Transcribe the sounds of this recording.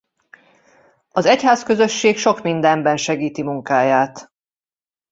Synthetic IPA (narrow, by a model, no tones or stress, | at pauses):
ɒzɛchaːskø̞zø̞ʃːeːkʃo̞kmind̪ɛmbɛnʃɛɡiːt̪imuŋkaːjaːt̪